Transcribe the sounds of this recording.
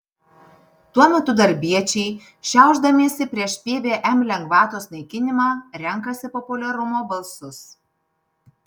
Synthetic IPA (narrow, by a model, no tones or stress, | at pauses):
t̪uɔmʲɛt̪ʊd̪ɐɾʲbʲiɛt͡ʃʲɛɪ | ʃʲɛˑʊʒd̪ɐmʲeːsʲɪpʲɾʲiɛʃpʲeːbʲeːʔɛmlʲɛŋɡʋɑːt̪oːsnɐɪkʲɪnʲɪmɑːɾʲɛŋˑkɐsʲɪpɔpʊlʲɛɾʊmoːbɐlˠsʊs